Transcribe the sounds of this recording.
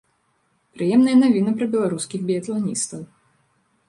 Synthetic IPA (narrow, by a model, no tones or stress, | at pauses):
pɾɨjɛmnɐjɐnavʲinɨpɾɐbʲɛlˠaɾuskʲiɣbʲiɐt̪lˠanʲḭst̪ɐw